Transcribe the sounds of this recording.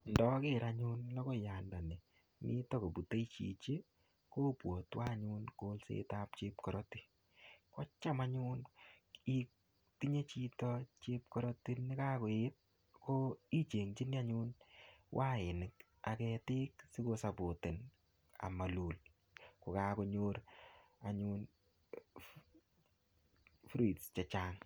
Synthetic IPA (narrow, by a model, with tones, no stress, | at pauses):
ndɔ˦ke˦ɾaɲu˦nlɔ˦ko˦ja˨nda˨nɛ˨ | mʔḭ˦tɔ˦ko˨bu˨te˦jt͡ʃḭ˨t͡ʃe˦ | ko˦pwɔ˨twa˦ɲu˦nko˦lsḛtap̚t͡ʃe˦p̚kɔ˨ɾɔ˦ti˦ | kɔ˦t͡ʃa˦maɲu˦n | ik | ti˦ɲe˦t͡ʃitɔt͡ʃe˦p̚kɔ˦ɾɔ˦ti˦nɪ˦ka˦ko˨et̚ | koi˦t͡ʃe˨ŋt͡ʃi˦ni˦a˦ɲu˦nwʔa˦ɪ˨nɪ˨k | a˨kɛtɪ˦ksi˦ko˧sa˨bo˨te˨n | a̰˨ma˨lu˨l | ko˨ka˨ko˧ɲoɾa˨ɲun | fɾi˨tst͡ʃɛ˨t͡ʃaːŋ